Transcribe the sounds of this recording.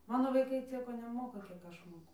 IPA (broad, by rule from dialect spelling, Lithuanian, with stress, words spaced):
ˈmɑːnoː ʋɐɪˈkɐɪ ˈt͡sʲiɛkoː nʲɛˈmoːkɐ kʲiɛk ˈɐʃ ˈmoːkʊ